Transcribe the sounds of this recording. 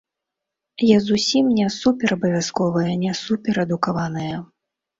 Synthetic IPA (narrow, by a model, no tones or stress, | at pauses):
jazusʲimnʲɛsupʲɛɾɐbɐvʲjaskɔvɐjɐnʲɛsupʲɛɾɛd̪ukavanɨjɐ